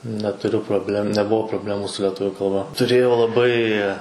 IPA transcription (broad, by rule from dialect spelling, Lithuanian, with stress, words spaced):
nʲɛtʊˈrʲʊ proːbʲˈlʲɛm nʲɛˈbuɔ proːbʲˈlʲæːmʊ sʊ lʲɛˈtʊʋʲʊ kɐlˠˈbɐ tʊˈrʲeːjɛʊ lˠɐˈbɐɪ